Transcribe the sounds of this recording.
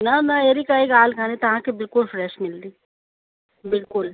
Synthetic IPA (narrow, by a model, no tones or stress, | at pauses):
nɐnɐeːɾikaikaːlkãnet̪ɐɦãkebɪlkʊlfɾɛʃmɪld̪iː | bɪlkʊl